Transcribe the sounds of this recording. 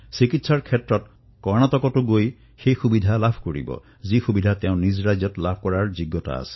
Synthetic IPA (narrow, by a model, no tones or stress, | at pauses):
sikitsaɹkʰetɹɔt | kɔɹñatɔkɔtuɡoj | xejxubid̪ʱalabʱkoɹḭbɔ̰ | zixubid̪ʱateʊ̃nizɹazjɔtlabʱkɔɹaɹd͡ʒiɡɔta̰a̰se̥